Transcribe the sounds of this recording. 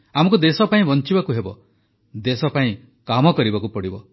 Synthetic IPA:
amɔkud̪esɔpaĩbɔnt͡ʃibakuɦebɔ | d̪esɔpaĩ | kamɔkɔɾibakupɔɽibɔ

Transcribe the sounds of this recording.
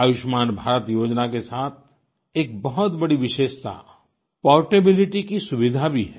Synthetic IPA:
aːʋɪʃmaːnbʱaːɾət̪joːd͡ʒnakesaːt̪̚ʰ | eːk̚bɐɦɔt̪bɐɽiʋɪʃeːʃt̪a̰ | pɔːʋʈebɪlɪʈikisʊʋɪd̪ʱabʱiɦɛ

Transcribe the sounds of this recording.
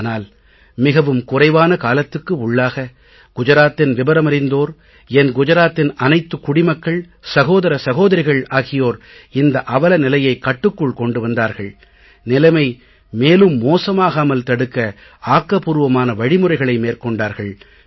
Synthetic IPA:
naːl | mɪɣɐʋɯmkʊrɐɪʋaːnɐkaːlɐt̪ːɯkːɯʊɭːaːɣɐ | ɡ̥ʊd͡ʒɐɾaːt̪ːɪnʋɪbɐɾɐmɐɾɪnd̪oːɾ | ɛnɡʊd͡ʒɐɾaːt̪ːɪnɐnɐɪt̪ːɯkːʊɽɪmɐkːɐɭ | sɐɣoːðɐɾɐsɐɣoːðɐɾɪɣɐɭaːɣɪjoːɾ | ɪnd̪ɐʔɐʋɐlɐnɪlɐjɐɪkːɐʈːɯkːɯɭkɔɳɖɯʋɐnd̪aːɾɣɐɭ | nɪlɐmɐɪ | meːlɯmːoːsɐmaːɣaːmɐlt̪ɐɽɯkːɐ | aːkːɐpuːɾɯʋɐmaːnɐʋɐɻɪmɯrɐɪɣɐɭɐɪmeːrkɔɳɖaːɾɣɐɭ

